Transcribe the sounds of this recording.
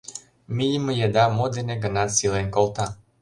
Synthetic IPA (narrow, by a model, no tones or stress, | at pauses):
miiməjed̪amod̪eneɡənasilɛnkɔlˠt̪a